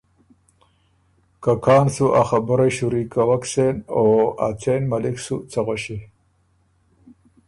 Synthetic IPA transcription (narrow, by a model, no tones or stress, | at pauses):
kakʰɑːnsuʔaxabəɾaɕuɾikawaksenoa̰t͡sʰenmaliksut͡saɣaɕi